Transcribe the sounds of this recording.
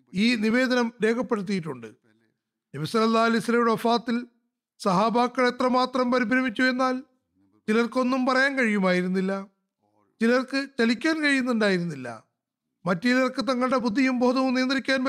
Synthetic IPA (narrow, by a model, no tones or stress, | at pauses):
iːniʋe̞ːd̪ɐnɐmɾe̞ːkʰɐpːe̞ɽut̪̬ːijiʈːuɳɖɨ̰ | diʋɐsɐlɐlːaːlisɐlɐjuɽeɐfaːt̪ːil | sɐɦaːbaːkːɐɭet̪rɐmaːt̪rɐmpɐɾibʱɾɐmit͡ɕʲːue̞nːaːl | t͡ɕilɐrko̞nːumpɐrɐjaːnkɐɻijumaːjiɾunːilːɐ | t͡ɕilɐrkɨt͡ɕɐlikʲːaːnkɐɻijunːuɳɖaːjiɾunːilːɐ̰ | mɐtːiilɐrkɨt̪ɐŋːɐɭɽe̞bud̪ʱːijumbo̞ːd̪ʱɐʋumnijɐnd̪rikʲːaːnpɐ